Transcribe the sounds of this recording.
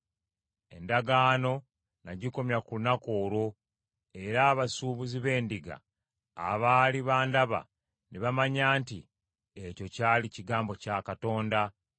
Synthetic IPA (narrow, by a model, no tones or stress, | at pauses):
e̞̰ndaɡaːno̞ | naɟiko̞mjakulunako̞ːɾo̞ | e̞ɾaːβasuːβuziβe̞ːndiɡa̰ː | βaːliβaːndaβa̰ | neβamaɲaːnti | e̞co̞caːliciɡaːmbo̞cakato̞ːnda